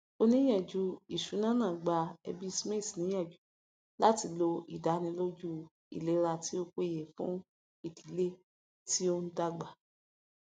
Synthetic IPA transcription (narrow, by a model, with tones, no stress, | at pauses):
o˧nĩ˦j̃ɛ̃˦˨d͡ʒu˦i˨ʃu˨˦nãː˦nã˦˨ɡ͡ba˧ɛ̰˧bi˦˧˨sme˦˨si˨nĩ˨˦ɛ̃˦˨d͡ʒu˨˦ | la˦ti˧lo˧i˨da˨˦nĩ˧lo˦d͡ʒu˦ | ḭ˨le˨˦ɾa˧ti˦o˧kʷe˦˨je˨fṵ̃˦ | i˦˨di˨˦le˦˨ | ti˦o˧n̩˦da˧˦ɡ͡ba˨